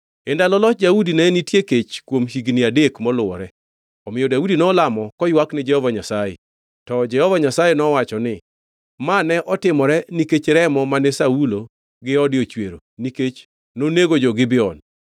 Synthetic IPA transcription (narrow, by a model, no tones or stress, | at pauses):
ɛndalɔlɔdaudinɛnitjeket͡ʃkwomɦiɡnɪadekmɔlʊwɔ̰ɾɛ | ɔmɪjɔdaudinɔlamɔkɔjwaknɪd͡ʒɛhɔvaɲasajḛ | tɔd͡ʒɛhɔvaɲasajenɔwat͡ʃɔnɪ | manɛʔɔtɪmɔɾɛniket͡ʃɾɛmɔmanɛsaulo | ɡɪɔdɪot͡ʃweɾo̰niket͡ʃ | noneɡod͡ʒɔɡɪbɪɔn